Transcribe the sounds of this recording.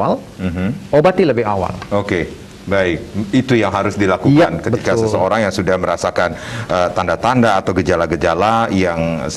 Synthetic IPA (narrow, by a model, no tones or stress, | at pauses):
al | m̩ɦm̩ʔobat̪iləbɪɦawa̰loke | baɪk̚it̪ujaŋɦaɾʊsdilakujkankətəitkasəsəoɾaŋjaŋsudahməɾasakanʔət̪andat̪andaːt̪awɡəd͡ʒalaɡəd͡ʒalajaŋ